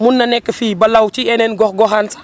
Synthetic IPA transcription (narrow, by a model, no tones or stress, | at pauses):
munːɐnɛkːɐfiːbɐlawt͡ʃiɛnɛnɡɔxɡɔxansḁ